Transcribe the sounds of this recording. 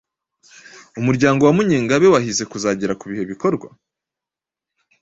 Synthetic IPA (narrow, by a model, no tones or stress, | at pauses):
umuɾɟaːŋɡo̞wamuɲiːŋɡaβe̞wahize̞kuzaːɟeɾakuβihe̞βiko̞ɾɡwa̰